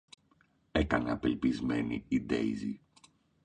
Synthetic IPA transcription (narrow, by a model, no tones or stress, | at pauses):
e̞kɐneɐpe̞lpizme̞niid̪e̞̰izi